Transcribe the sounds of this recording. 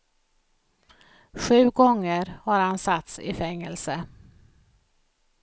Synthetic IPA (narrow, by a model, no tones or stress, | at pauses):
ɧʉ̟ːɡɔŋːəɾhaɾhansat̪sɪ̰fɛŋːəlsə